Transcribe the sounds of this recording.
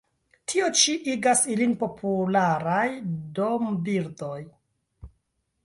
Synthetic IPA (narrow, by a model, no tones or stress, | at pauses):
tʰio̞t͡ʃiʔiɡasilinpo̞pʰulaɾajdo̞mbiɾdo̞j